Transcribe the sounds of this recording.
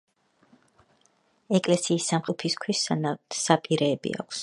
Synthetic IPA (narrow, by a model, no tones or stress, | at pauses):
ɛkʼlɛsiːsːamqʼɔpʰiskʰwissapʼiɾɛːbḭa̰kʰs